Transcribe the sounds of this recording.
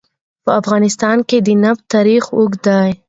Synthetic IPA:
pəafɣɑnɪst̪ɑnked̪ənapt̪ɑɾixʊɡd̪ɑj

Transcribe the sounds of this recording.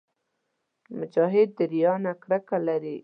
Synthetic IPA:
mʊd͡ʒɑɦɪd̪̚ːəɾijɑnakɽakalaɾi

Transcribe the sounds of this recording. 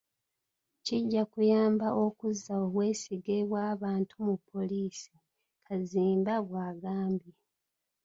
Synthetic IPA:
ciɟːakujaːmbaʔo̞kuzːaoβweːsiɡeβwaːβaːntumupʰːo̞liːsi̥ | kʰaziːmbaβwaːɡaːmbje

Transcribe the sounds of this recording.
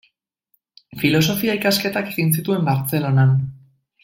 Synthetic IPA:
filo̞s̬o̞fiaikaske̞t̪ake̞ɣins̬it̪ue̞mbaɾt͡se̞lo̞nan

